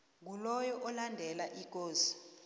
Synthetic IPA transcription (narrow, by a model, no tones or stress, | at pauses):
ŋɡʱulɔjɔʔɔlandʱɛlaʔik̬ʼoːzi̥